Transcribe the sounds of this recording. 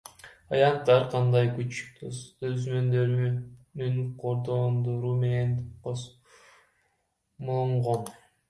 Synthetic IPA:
ɑjɑnt̪ːɑɾqʰɑnd̪ɑjkyt͡ʃt̪øzmø̞nd̪øɾnyŋqʰoɾd̪ond̪oɾuːme̞ne̞nqos | molˠuɴʁon

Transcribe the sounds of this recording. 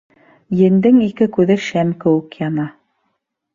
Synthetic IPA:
jɘ̆nd̪ɘŋikɘkʉðɘʃæmkɘ̆wɘ̆kjɑnɑ

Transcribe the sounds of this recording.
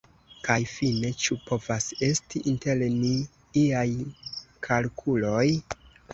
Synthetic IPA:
kajfine̞t͡ʃupo̞vase̞stiʔinte̞lni | iajkʰalkʰulo̞j

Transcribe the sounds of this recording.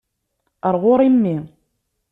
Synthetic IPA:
əɾˤʁoɾˤimːi

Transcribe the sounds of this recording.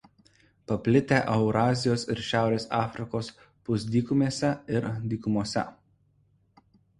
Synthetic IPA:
pɐpʲlʲɪt̪ʲeʔɐʊɾɑːzʲɪjoːsɪɾʃʲæˑʊɾʲeːsɑːfʲɾʲɪkoːs | pʊs̬ʲd̪ʲiːkʊmʲeːsʲɛɪɾd̪ʲiːkʊmuɔsʲɛ̰

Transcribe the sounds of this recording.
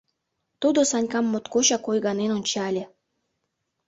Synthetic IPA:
t̪ud̪osɑnʲkɑmːot̪koɕɑkojɣɑnenonʲt͡ɕɑlʲe

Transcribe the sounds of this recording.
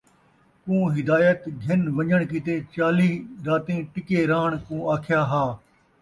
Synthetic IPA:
kũːɦɪd̪aːjət̪ɡʱɐnʋɐɲəɳ̃kit̪eːt͡ʃaːliːɾaːt̪ẽːʈɪkeːɾaːɳ̃kũːaːkʰɪjaːɦaː

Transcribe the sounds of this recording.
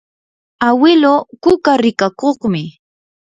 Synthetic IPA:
awɪlokʊkaɾɪkakoχmɪ

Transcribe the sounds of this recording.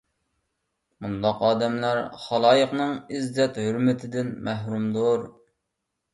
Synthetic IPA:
mund̪ɑqɑːd̪ɛmlæɾχɑlˠɑːjəqnɨŋizːɛt̪høɾmɪt̪ʰɪd̪ɪnmæɦɾumd̪oɾ

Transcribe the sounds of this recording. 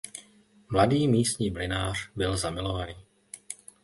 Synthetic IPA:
mlad̪iːmiːst̪ɲiːmlɛnaːr̥bɪlzamɪlɔʋaniː

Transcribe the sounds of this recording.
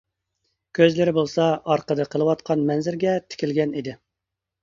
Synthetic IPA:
kʲʰøzlɪɾɪbolˠsɑɑɾqəd̪ɨqʰəlˠɨwɑt̪̚qʰɑnmɛnzɪɾɡʲɛt̪ʰɪ̥kʲilɡʲɛnid̪ɪ

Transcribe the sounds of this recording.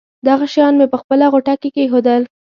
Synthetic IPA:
d̪aɣaʃjɑnmepəxpəlaɣoʈakekexod̪əl

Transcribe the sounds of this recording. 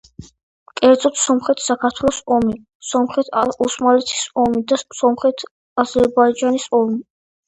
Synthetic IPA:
kʼɛɾd̪zʼɔt̪ʰsɔmχɛt̪ʰsakʰaɾt̪ʰwɛlˠɔsɔmi | sɔmχɛt̪ʰausmalɛt̪ʰi̥sɔmid̪asɔmχɛt̪ʰ | azɛɾbaid͡ʒanisɔmi

